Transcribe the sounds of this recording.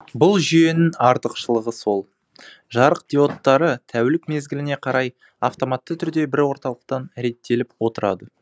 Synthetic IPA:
bʊlˠʒʏje̞nɪŋɑɾt̪əqʃəlˠəʁəso̞lˠ | ʒɑɾəq̚d̪̥io̞t̪ːɑɾət̪ʰæwlɪkme̞zɡʲɪlɪne̞qʰɑɾɑj | aft̪o̞mɑt̪ːət̪ʰʏɾd̪e̞bɪɾwo̞ɾt̪ɑlˠəq̚t̪ɑnɾe̞t̪ːe̞lɪpwo̞t̪əɾɑ̰d̪ə

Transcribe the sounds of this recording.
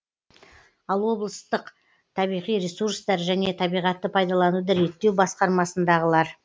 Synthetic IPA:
ɑlˠwo̞blˠəst̪əq | t̪ʰɑβijʁijɾesuɾst̪ɑɾʒæne̞t̪ʰɑbijʁɑt̪ːəpʰɑjd̪ɑlˠɑnud̪ɑɾe̞t̪ːe̞wbɑsqɑɾmɑsənd̪ɑʁəlˠɑɾ

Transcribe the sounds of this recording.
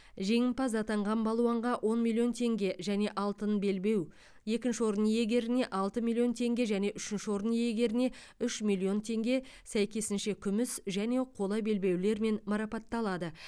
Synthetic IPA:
ʒe̞ŋɪmpɑzɑt̪ɑɴʁɑnbɑlˠuɑɴʁɑwʔo̞nmʲilʲˠːio̞nt̪ʰe̞ŋɡʲe̞ʒæne̞ʔɑlˠt̪ənbe̞lbe̞w | je̞kʲɪnʃɪwo̞ɾənije̞ɡʲe̞ɾɪne̞ʔɑlˠt̪əmʲilʲˠːijo̞nt̪ʰe̞ŋɡʲe̞ʒæne̞ʔʏʃɪnʃɪwo̞ɾənije̞ɡʲe̞ɾɪne̞ | ʏʃmʲilʲˠio̞nt̪ʰe̞ŋɡʲe̞sæjkʲe̞sɪnʃe̞kʲʰʏmɪsʒæne̞qʰo̞lˠɑjbe̞lbe̞wle̞ɾme̞nmɑɾɑpɑt̪ːɑlˠɑd̪ə

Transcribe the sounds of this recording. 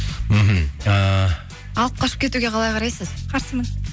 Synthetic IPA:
m̩ɦm̩ə | ɑlˠəp̚qʰɑʃə̥p̚kʲe̞t̪uɡʲe̞qʰɑlˠɑjqʰɑɾɑjsəzqʰɑɾsəmən

